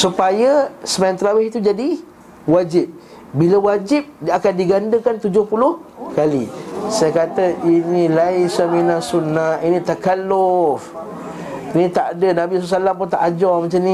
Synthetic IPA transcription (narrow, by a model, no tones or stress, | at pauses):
supajəsəmajant̪ɾawɪhit̪ud͡ʒadi | wad͡ʒɪp̚ | bilawad͡ʒɪp̚akandiɡandəkant̪ud͡ʒʊhpulʊhkalḭsajakat̪əʔinilaisaminasunːainĩt̪akalːʊf | inĩt̪aʔdənãbisɔsalampʊnt̪a̰ʔad͡ʒɔmat͡ʃamnĩ